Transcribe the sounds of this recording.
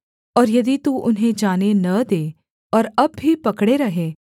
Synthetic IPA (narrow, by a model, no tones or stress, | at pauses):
ɔːɾjɐd̪it̪uʔʊnɦẽd͡ʒaːnenɐd̪eː | ɔːɾɐbːʱipɐkɽeɾɐɦeː